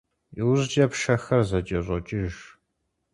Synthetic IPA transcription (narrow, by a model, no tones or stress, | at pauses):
iwʑd͡ʒʼɐpʂɐxɐrzɐt͡ʃʼɐɕʼɔt͡ʃʼɪʒ